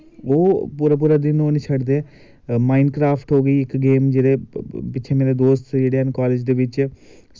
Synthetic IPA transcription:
oːpuːɾaːp̬uːɾaːd̪ɪnoːnɪt͡ʃʰəɖd̪eː | maːɪnɖkɾaːfʰʈɦoːɡəiːɪkɡeːmd͡ʒeːɽeːpɪːt͡ʃʰeːmeːɾed̪oːst̪d͡ʒeːɽeːɛːnkaːleːd͡ʒd̪eːʋɪt͡ʃ

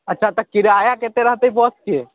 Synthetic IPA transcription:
ɐtːʃʰat̪ɐkːɪɾeaːjakeːt̪eɾɐɦt̪eɦipɔːskie

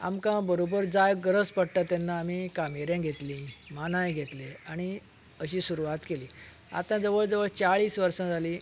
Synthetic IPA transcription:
a̰mkãbəɾobəɾd͡zajɡəɾəspəɽʈat̪ːanːaːmikamiɾjãɡʱet̪lĩmanãjɡʱet̪leaɽ̃i | əɕiːsuɾuʋat̪keliː | a̰t̪ãd͡zəʋəɭd͡zəʋəɭt͡saɭiːsʋəɾsãd͡zʱali

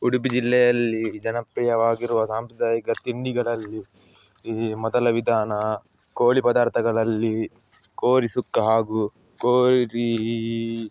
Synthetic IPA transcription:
uɽubid͡ʒilːɛjɐlːid͡ʒɐnɐpɾɛjɐʋaːɡiɾuʋɐsaːmpɾɐd̪ʱaːjɐkɐt̪iɳɖiɡɐɭɐlːi | mɔd̪ɐlɐʋid̪ʱaːnɐ | koːɭipɐd̪aːɾt̪ʰɐɡɐɭɐlːi | koːɾisukːɐɦaːɡu | koːɾi

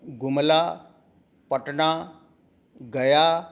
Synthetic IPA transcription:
ɡumla | pəʈɳa | ɡəja

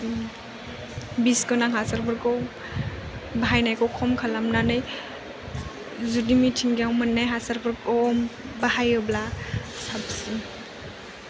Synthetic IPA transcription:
biskɔnaŋɦasaɾbʰɯɾkɔw | baɦajnajkɔwkʰɔmkʰalamnanɯj | zudimitʰiŋɡiawmɯnːajɦasaɾbʰɯɾkɔmbaɦajɔblasab̚siŋ

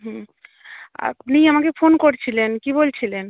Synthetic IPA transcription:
ɦũ | a̰niamakefonkoɾt͡ɕʰilenkibolt͡ɕʰilen

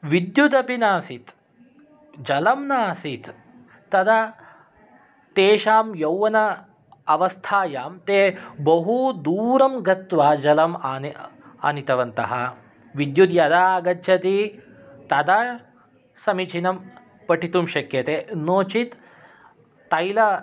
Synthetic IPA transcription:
ʋid̪jud̪ɐpinaːsit̪ | d͡ʒɐlɐmnaːsit̪ː | ɐd̪ɐ | t̪eːʃaːmjɐwʋɐnɐ | ɐʋɐst̪ʰaːjaːmt̪eːbɐɦud̪uːɾɐmɡɐt̪ʋaːd͡ʒɐlɐmana̰nit̪ɐʋɐnt̪ɐ̰ɦɐ | ʋid̪jud̪jɐd̪aːɡɐt̪t͡ʃʰjɐt̪i | t̪ɐd̪a | sɐmit͡ʃʰinɐm | pɐʈit̪umʃɐkjɐt̪eːnoːt͡ʃit̪ | ɐjlɐ

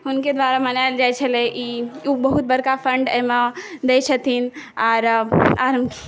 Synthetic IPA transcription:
ɦʊnked̪waɾamənaɪld͡ʒajt͡ʃʰəlɛʔiubəɦut̪̚bəɾkafʰəɳɖəɦmad̪et͡ʃʰət̪inaːɾaɾəmk

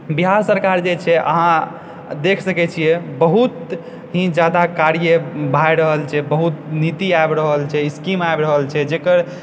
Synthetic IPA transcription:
biɦaɾsəɾkaɾd͡ʒet͡ʃʰɛʔə̰ɦã | d̪ekʰsəkɛt͡ʃʰijɛbəɦut̪ | ɦĩd͡ʒad̪akaɾjəbʱajɾəɦəlt͡ʃʰɛbəɦut̪nit̪iaebɾəɦəlt͡ʃʰɛiskimaebɾəɦəlt͡ʃʰɛd͡ʒekəɾ

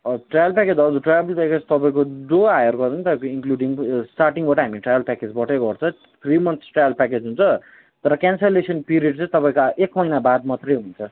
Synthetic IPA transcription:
ʌʈrajʌlpɛked͡zʌd͡zuʈrabeltaket͡sʰʌ̥t̪ʌpaĩkod͡zoajʌrɡʌtĩt̪ʌkinkluɖiŋsʈarʈiŋbaʈʌɦamiʈrajʌlpɛked͡zbʌʈeɡʌrt͡sʰʌ̃ | t̪ʰrimʌnt̪ʰsʈrajʌlpaked͡zɦunt͡sʰʌ | t̪ʌɾʌkanselesʌnpiɾieɖt͡sʌ̃j̃t̪ʌpaij̃kaʔekmʌjnabad̪mʌt̪rʌjɦunt͡sʰʌ

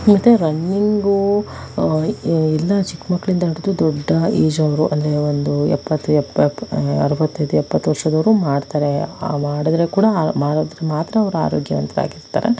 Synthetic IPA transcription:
mɐt̪ːeɾɐnːiŋɡu | ɛlːɐt͡ʃikmɐkːɐɭind̪ɐɦiɽud̪ud̪ɔɖːɐiːd͡ʒɐʋɐɾuʔɐ̰nd̪ɐɾe̞ond̪uɛ̰pːɐt̪ːuɛp | ɐ̰ɾɐʋɐt̪ːɐjd̪uɛpːɐt̪ːuʋɐɾʂɐd̪ɐʋɐɾumaːɖt̪aːɾe̞maːɽɐd̪ɾe̞kuːɽɐmaːɽod̪ɾemaːt̪ɾɐːʋɐɾua̰ːɾoːɡjɐʋɐnt̪ɐɾa̰ːɡiɾt̪a̰ɾḛ

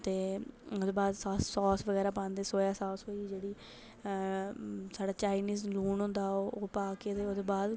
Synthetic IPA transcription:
t̪eːod̪eːbaːd̪sːsɔːsʋəɡɛːɾaːp̬ãːnd̪eːsoːjaːsɔːsoːiːd͡ʒeːɽiː | saːɖaːt͡ʃaːɪniːzluːnɦʊ̃nd̪aːooːpaːkeːt̪eːoːd̪eːbaːd̪

